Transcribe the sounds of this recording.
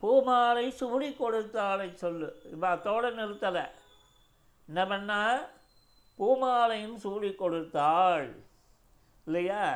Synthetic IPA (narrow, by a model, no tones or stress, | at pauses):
puːmaːlɐɪsuːlikːɔɽɯt̪ːaːlɐɪsɔlːɯɪʋat̪ːoːɽɐnɪɾɯt̪ːɐlɐ̰ | ɪnːɐpɐnːaː | puːmaːlɐjɯmsuːɻikːɔɽɯt̪ːaːɭ | ɪlːɐjaː